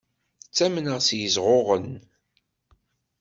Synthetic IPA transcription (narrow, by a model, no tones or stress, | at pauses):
θt͡sːæmənəʁsjəzʁoʁən